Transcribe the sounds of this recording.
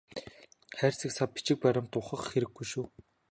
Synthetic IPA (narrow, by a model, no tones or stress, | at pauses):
χæːrʲt͡sɘ̆ksapit͡ɕɪ̆k̚pæɾʲɪ̆mt̪ʊχə̆χxeɾɘ̆ɡːujʃuː